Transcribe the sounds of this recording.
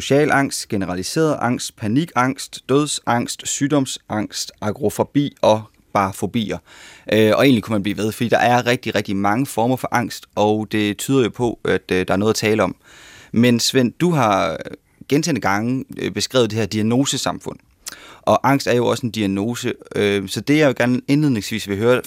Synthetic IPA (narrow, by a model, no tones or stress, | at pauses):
so̝ɕɛ̰ːlɑ̈ŋ̰sd̥ɡ̥e̝nəʁɑ̈lise̝̰ːɐð̩ˠʔɑ̈ŋ̰sd̥pʰæniɡ̥ɑ̈ŋ̰sd̥ːøð̞ˠsɑ̈ŋ̰sd̥syːd̥ɒ̽msɑ̈ŋ̰sd̥ʔɑ̈ɡ̥ʁo̝fob̥ḭːɒ̽ | b̥ɑ̈fo̝b̥ḭːɐʔøɒ̽e̝ːnlikʰumænb̥lḭːʋe̝ð̞ˠfɒ̽dḭːd̥ɑ̈ʔæɐʁɛɡ̥̚d̥iʁɛɡ̥d̥imɑ̈ŋəfɒːmɐfɒ̽ʔɑ̈ŋ̰sd̥ʔɒʊd̥e̝t͡sʰyːð̞ˠɐjo̝pʰɒ̽ʔæd̥d̥ɑ̈æɐo̽ːðˠɐt͡sʰɛːləɒ̽m | mensʋen̰d̥uɦɑ̈ | ɡ̥ent͡sʰḛːnd̥əɡ̥ɑ̈ŋəb̥e̝sɡ̥ʁɛ̰ʊðˠd̥eheɐd̥iæno̝ːsəsɑ̈mfɔ̽n̰ | ʔɒ̽ʔɑ̈ŋ̰sd̥æɐjo̝ɒ̽se̝nd̥iæno̝ːsəøsɒ̽d̥e̝jaɪeɡ̥æɐne̝nlið̰ˠne̝ŋsʋḭːsʋe̝ɦøːɐ